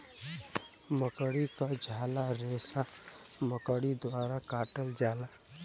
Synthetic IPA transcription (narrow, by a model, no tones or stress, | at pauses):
məkəɽikad͡ʒʱaːlaɾeːsa | məkəɽid̪waːɾakaːʈəld͡ʒaːla